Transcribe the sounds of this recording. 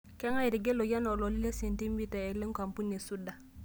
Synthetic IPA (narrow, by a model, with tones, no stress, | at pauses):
kɛ˦ŋa˦ji˨ɾi˨ɡe˦lo˨ja˦no˨lo˨li˦le˦se˨nti˦mbi˦ta˨e˨le˦ŋka˨mpu˦ne˨su˦da˨